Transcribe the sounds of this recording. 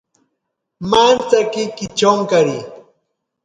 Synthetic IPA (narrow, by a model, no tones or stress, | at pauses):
mant͡sakɪkɪt͡ʃoŋkaɾi